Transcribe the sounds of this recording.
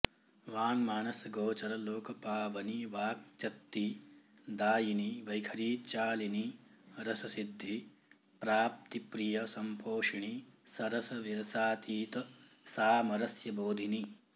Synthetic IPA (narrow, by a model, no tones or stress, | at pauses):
ʋaːnmaːnɐsɐɡoːt͡ʃɐɾɐloːkɐpaːʋɐniʋaːk̚t͡ʃɐt̪ːid̪aːjiniʋɐjkʰɐɾiːt͡ʃaːliniɾɐsɐsid̪ʱːi | pɾaːp̚t̪ipɾijɐsɐmpʰoːʂɐɳisɐɾɐsɐʋiɾɐsaːt̪ʰiːt̪ɐ | saːmɐɾɐsjɐboːd̪ʱini